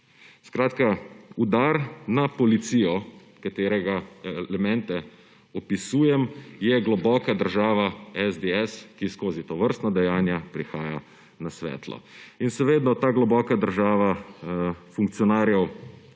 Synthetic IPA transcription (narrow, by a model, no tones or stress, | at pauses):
skɾaːt̪kaud̪aːɾnapɔlit̪siːjɔ | kat̪eːɾɛɡaɛlɛmɛ̃nt̪ɛ | ɔpisuːjɛmjɛɡlɔbɔːkad̪əɾʒaːʋaɛzd̪eɛskiskoːzit̪ɔʋəɾst̪nad̪ɛjaːnjapɾixaːja | nasʋɛ̰ːt̪lɔ̰inʃɛʋeːd̪nɔt̪aːɡlɔbɔːkad̪əɾʒaːʋa | fuŋk̚t̪sijɔnaːɾjɛw